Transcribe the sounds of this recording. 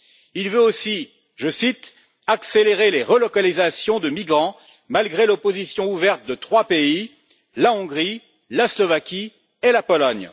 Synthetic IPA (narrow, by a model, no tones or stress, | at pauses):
ilvøosi | ʒəsit̪ | akseleʁeleʁəlɔkalizasjɔ̃d̪əmiɡʁɑ̃ | malɡʁelɔpozisjɔ̃uvɛʁt̪̚d̪ət̪χwapei | laɔ̃ɡʁi | laslɔvakʲi | elapɔlɔɲ